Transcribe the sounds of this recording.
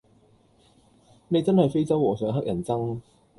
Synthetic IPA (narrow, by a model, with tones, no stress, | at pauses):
ne˨˧jt͡sɐ˥nhɐ˨jfe˥jt͡sɐ˥wɔː˨˩sœː˨˧ŋɦɐ˥k̚jɐ˨˩nt͡sɐ˥ŋ